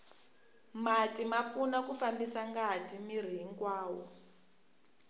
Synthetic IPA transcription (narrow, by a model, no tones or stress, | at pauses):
matimap̪funakufambisaŋɡatʰimir̤iɦiŋkwaːwɔ